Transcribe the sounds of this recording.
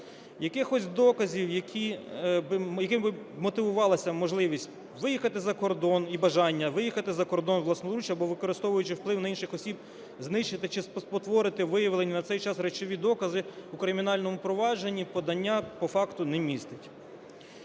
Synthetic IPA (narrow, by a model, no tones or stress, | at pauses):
jɐkɪxɔsʲd̪ɔkɐzʲiwjɐkʲʰibɪjɐkɪmbɪ | mɔt̪ɪʋʊʋɑlˠɐsʲɐmɔʒlˠɪʋʲisʲtʲ | ʋɪjixɐt̪ɪzɐkɔrd̪ɔnibɐʒɑnʲːɐʋɪjixɐt̪ɪzɐkɔrd̪ɔnʋlˠɐsnɔlˠɾut͡ʃɐbɔʋɪkɔɾɪst̪ɔʋʊjʊt͡ʃɪwplˠɪwnɐinʃɪxɔsʲib | znɪʃt͡ʃɪt̪ɪt͡ʃɪsp̪pɔt̪ʋɔɾɪt̪ɪʋɪjɐʋlˠenʲːinɐt̪ɛjt͡ʃɑsɾɛt͡ʃɔʋʲid̪ɔkɐzɪukɾɪmʲinɑlʲnɔmʊpɾɔʋɑd͡ʒenʲːipɔd̪ɐnʲːapɔfɑkt̪ʊnɛmʲist̪ɪtʲ